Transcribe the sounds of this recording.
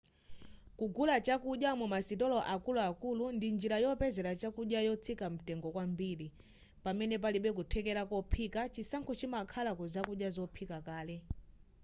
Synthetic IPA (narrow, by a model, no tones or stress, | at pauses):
kuɡulat͡ʃakuɗjamɛmasitɔlɔʔakuluakulundind͡ʒiɾajɔpɛzɛɾat͡ʃakuɗjajɔt͡sʰikam̩tɛŋɡɔkwambiːɾi | pamɛnɛp̬aliɓɛk̬utʰɛkɛɾakɔpʰikat͡ʃisaŋkʰɔt͡ʃimakʰalakuzakuɗjazɔpʰikakaːlɛ